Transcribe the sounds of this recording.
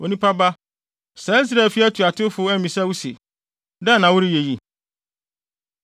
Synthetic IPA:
o˨nĩ˦pʰa˦ba˦ | sɛ˨˦i˦s̬ɾa˨fi˦æ˦tʰu˨a˨tʰɪ˦fʊ˨˦æ˦mĩ˨sɛ˦wu˦sḛ˨ | dɛ˦nã˨wʊ˦ɾi˦je˨ji˦

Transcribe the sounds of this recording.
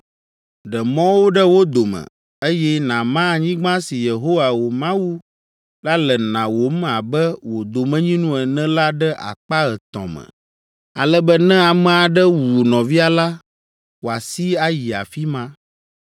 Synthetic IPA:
ɖə˨mɔ̃˦wo˦ɖə˦wo˦d̪o˨mɛ̰̃˨ | e˦jɛ˦nã˨mã˦˨ɲĩ˦ɡ͡bã˦si˨je˨ɦo˦wa˨wo˨mã˦wu˦ | la˦lɛ˨nã˨wo˨˦m˦a˨bɛ˦wo˨d̪o˨mɛ̃˦ɲĩ˦nũ˦ɛ˨nɛ̃˦la˦ɖɛ˦ʔa̰˨k͡pa˦ɣɛ˨t̪ɔ̰̃˨mɛ̰̃˨ | a̰˨lɛ˦bə˦nɛ̃˦a˨mɛ̃˨a˨ɖɛ˦wu˨nɔ̃˨vi˦a˨la˦ | wo˨a˨si˦a˦ji˨a̰˨fi˦mã˦

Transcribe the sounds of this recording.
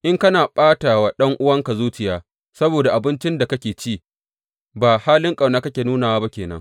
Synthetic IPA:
ʔɪ˦ŋkɐ˦naː˨ɓʼaː˦taː˨wa˦˨ɗɐ˦ŋʔʊ˦wɐ˦ŋka˨zuː˦t͡ʃɪ˨jaː˨ | sɐ˦boː˨da˨ʔa˨bɪ˦nt͡ʃɪ˦nda˨kɐ˦kʲeː˨t͡ʃiː˦ | baː˨haː˦lɪ˦ŋkʼa˨wnaː˦kɐ˦kʲeː˨nuː˦naː˨waː˦ba˦kʲeː˨nɐ̰˦ŋ

